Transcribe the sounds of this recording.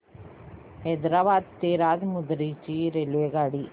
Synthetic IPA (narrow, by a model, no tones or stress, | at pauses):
hɛd̪ɾaːʋaːd̪̚t̪eːɾaːd̪mud̪ɾit͡ʃiɾelʋeɡaːɽi